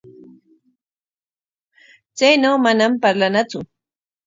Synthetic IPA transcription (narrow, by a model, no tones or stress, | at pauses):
t͡sajnawmanampaɾlanat͡sʊ